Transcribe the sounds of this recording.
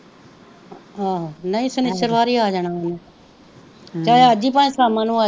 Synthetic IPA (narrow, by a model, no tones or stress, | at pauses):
aːɦnəĩːsənɪʃəɾʋaːɾiːaːd͡ʒaːɽ̃aːneː | t͡ʃaːeəd͡ʒiːp̬ãːĩsaːmãːnũaː